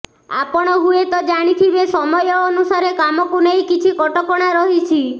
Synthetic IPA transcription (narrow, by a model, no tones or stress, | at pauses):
a̰pɔɽ̃ɔɦuet̪ɔd͡ʒaɽ̃it̪ʰibesɔmɔjɔːnusaɾekamɔkunejkit͡ʃʰikɔʈɔkɔɽ̃aɾɔɦit͡ʃʰi